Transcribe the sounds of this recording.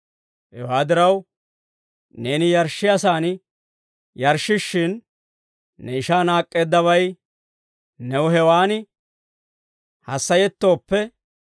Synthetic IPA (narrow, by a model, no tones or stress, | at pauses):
hɛ̰waːd̪ɪɾɐw | ne̞ːnɪjɐɾʃːɪjɐsaːnɪ | jɐɾʃɪʃːɪnː | ɛɪʃaːnaːkʼːe̞ːd̪ːɐβɐj | nɛwɦɛwaːnɪ | hɐsːɐjɛt̪ːo̞ːpːɛ